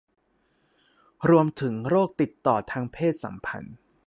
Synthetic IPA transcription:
ɾu˧əmt̪ʰɯ˩˦ŋɾoː˥˩k̚t̪i˨˩t̪ːɔː˨˩t̪ʰaː˧ŋpʰeː˥˩t̪̚sa̰˩˦mpʰa̰˧˥n

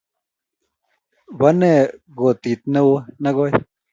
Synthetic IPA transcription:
ba˦ne˦˨ | ɡo˨t̪i˨t̪ne˦wna˦ɣo˦j

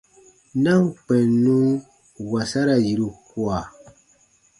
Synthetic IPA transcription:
nã˦ŋ˨k͡pɛ̃˨nũ˦ | wa˨sa˦ɾa˨ji˨ɾu˧ku˦a˨

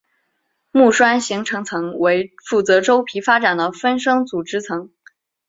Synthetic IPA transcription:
mu˥˩ʂwa˥nɕi˧˥ŋʈ͡ʂʰɤ˧˥ŋt͡sʰɤ˧˥ŋwe˧˥ɪfu˥˩t͡sɤ˧˥ʈ͡ʂo˥ʊpʰi˧˥fa˥ʈ͡ʂa˨˩nd̪ə˦fə˥nʂɤ˥ŋt͡su˨˩ʈ͡ʂɻ̩˥t͡sʰɤ˧˥ŋ

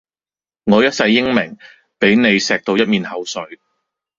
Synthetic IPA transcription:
ŋɔː˨˧jɐ˥t̚sɐ˧jːɪ˥ŋmɪ˨˩ŋ | pe˨˥jne˨˧jsɛː˨˧k̚t̪o˧wjɐ˥t̚miː˨˧nhɐ˨˧wsɵ˨˥ɥ

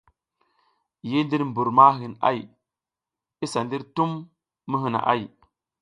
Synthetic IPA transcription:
ji˦ndi˦ɾm˨bu˨ɾma˦ɦi˨na̰˦j | i˦sa˨ndi˦ɾtu˦mː | ə˦ɦi˨na̰˨ʔa̰˦j

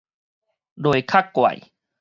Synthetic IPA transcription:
lwe˨˩˨kʰa˦kːwa̰˨˩j

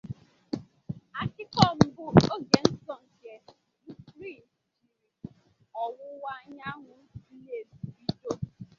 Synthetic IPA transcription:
a˨kɪ˦kɔ˦˨m̩˨bʊ˦o˦ɡe˨n̩˦sɔ˨ŋ̩˨ke˨ | n̩˦skɾi˦˨n̩˨t͡ʃi˨ɾi˨ | ɔ˨wʊ˦wa˦ɲa˦ɦʊ˦le˨mu˨ɾi˦to˦

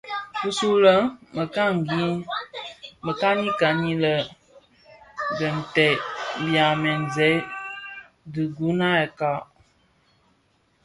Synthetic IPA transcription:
ku˦su˦lə˨˦mə˨ka˦ŋ˨ɡi˦ | mə˨ka˦ɲi˦ka˨˦ɲi˦lə˨ | ɡə˨n̩˨tɛ˨bja˨mɛ˨n˨zɛ˨˦ | dɨ˨ɡu˦na˦ɛ˨ka˦˨

